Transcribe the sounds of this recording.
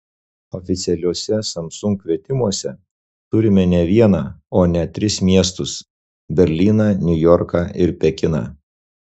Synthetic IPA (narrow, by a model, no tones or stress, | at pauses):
ɔfʲɪt̪sʲɛlʲuːsʲɛsɐmsʊŋkkʋʲiɛt̪ʲɪmuɔsʲɛ | t̪ʊɾʲɪmʲɛnʲɛʋʲiɛnɑːoːnʲɛt̪ʲɾʲɪsmʲiɛst̪ʊs | bʲɛɾʲlʲiːnɑnʲʊjɔɾkɑɪɾpʲɛkʲɪnɑ̰ː